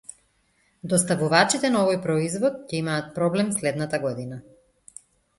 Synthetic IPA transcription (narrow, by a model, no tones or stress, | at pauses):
d̪ɔst̪avuvat͡ʃit̪ɛnaɔvɔjpɾɔizvɔt̪̚cɛimaːt̪̚pɾɔblɛmslɛd̪nat̪aɡɔd̪ina